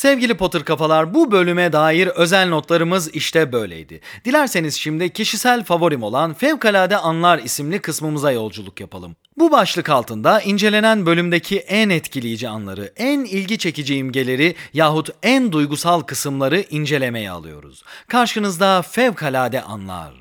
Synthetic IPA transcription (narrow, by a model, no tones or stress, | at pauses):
sɛvɟilʲipo̞t̪ʰɯɾkafalˠaɾbubø̞lʲymɛd̪aːjiɾø̞zælʲno̞t̪lˠaɾɯmɯziʃt̪ʰɛbø̞jlʲḛjd̪ɪ̰d̪̥ilʲæɾse̞nizʃimd̪icʰiʃisælʲfavo̞ɾimo̞lˠanfɛvkalʲaːd̪ɛanlˠaɾisimlʲikʰɯsmɯmɯzajo̞lˠd͡ʒulˠukjapʰalˠɯm | bubaʃlˠɯkalˠt̪ʰɯnd̪aʔind͡ʒe̞lʲe̞nænbø̞lʲymd̪ecʰiʔænɛt̪cʰilʲijid͡ʒia̰nlˠa̰ɾɯ̰ænilʲɟit͡ʃʰe̞cid͡ʒiimɟe̞lʲe̞ɾijaːɦut̪ænd̪ujɡusalˠkʰɯsɯmlˠaɾɯʔind͡ʒe̞lʲe̞mejɛ̰a̰lˠɯ̰jo̰ɾṵz̥kʰaɾʃɯnɯzd̪afɛvkʰalʲaːd̪ɛʔa̰nlˠa̰ɾ